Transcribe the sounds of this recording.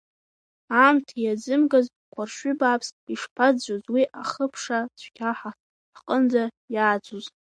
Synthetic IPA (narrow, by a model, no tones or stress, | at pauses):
amtʰjad͡zɨmɡaz | kʷʰarʃʷʏbapʰsiʂpʰad͡zozwiʔaχəpʰʂat͡ʃʷʰkʲʰaħa | qʼənd͡za | jaːd͡zuz